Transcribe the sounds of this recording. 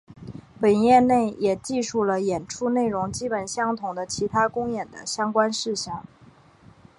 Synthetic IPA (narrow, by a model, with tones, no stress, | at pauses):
pə˨˩njɛ˥˧ne˥˩ɪjʔɛ˨˩t͡ɕi˥˧ʂu˥˩lə˩jɛ˨˩nʈ͡ʂʰu˥ne˥˩ɪɻʊ˧˥ŋt͡ɕi˥pə˨˩nɕjɑ˥ŋt̪ʰʊ˨˩ŋd̪ə˦t͡ɕʰi˧˥t̪ʰa˥kʊ˥ŋjɛ˨˩nd̪ə̰˦ɕjɑ˥ŋkwa˥nʂɻ̩˥˧ɕjɑ˥˩ŋ